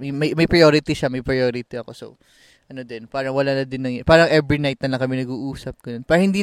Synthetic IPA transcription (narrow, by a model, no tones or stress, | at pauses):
mɐjmɐjmɐjpɾɐjoːɾɪt̪iʃamɐjpɾɐjoːɾɪt̪iɐko̞so̰ | ʔɐno̞d̪ɪnpaːɾɐŋwɐlaːnɐd̪ɪnːɐŋjpaːɾɐŋʔɛbɹinajt̪̚nɐlɐŋkɐmɛnɐɡuːʔuːsɐp̚ɡ̥ɐno̞npaːɾɐhɪnd̪iː